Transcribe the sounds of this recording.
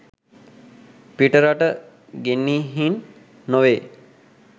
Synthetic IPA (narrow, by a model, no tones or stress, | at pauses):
piʈəɾaʈə | ɡenːiːɦinː | oʋeː